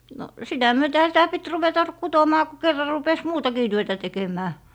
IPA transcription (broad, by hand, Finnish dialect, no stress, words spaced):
no sitæ myøtehæ sitæ pit ruʋetɑ kutomɑː ku kerːɑ rupes muːtɑkiː tyøtæ tekemæː